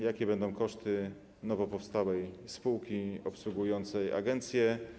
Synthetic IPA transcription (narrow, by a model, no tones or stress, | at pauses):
jakʲɛbɛnd̪ɔ̃w̃kɔʂt̪ɘ | nɔvɔpɔfst̪awɛjspuwkʲiɔpswuɡujɔnt̪sɛja̰ɡɛnt̪sʲjɛ